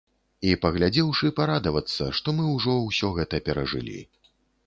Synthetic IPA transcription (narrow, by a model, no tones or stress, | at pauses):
ipɐɣlʲad͡zʲɛwʂɨpaɾad̪ɐvɐt̪sːɐ̰ʂt̪ɔmɨwʐɔwsʲɔɣɛt̪ɐpʲɛɾɐʐɨ̰lʲḭ